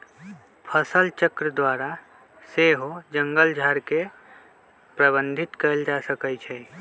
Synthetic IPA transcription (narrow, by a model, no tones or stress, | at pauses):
pʰəsəlt͡ʃəkɾəd̪waɾa | seɦod͡ʒəŋɡəld͡ʒʱəɾke | pɾəbənd̪ʱit̪kəeld͡ʒasəkəjt͡ʃʰɛ